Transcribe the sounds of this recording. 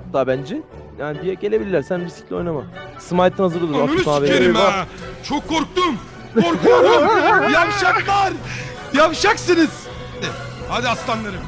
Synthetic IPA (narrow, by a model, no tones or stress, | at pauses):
at̪ːaːbænd͡ʒɛ | jaːnibijɛɟee̞bilʲiɾlʲːæɾsænbisiclʲio̞̰jnama | sɯmajt̪ʰːɯnazɯɡɯlˠumasaaveeɾimaɾt͡ʃʰokʰːoɾk̚t̪umʰ | oɾ | japʃaklˠaɾ | japʃaksɯniz̥ | had̪ɪhad̪iast̪anˠaɾɯm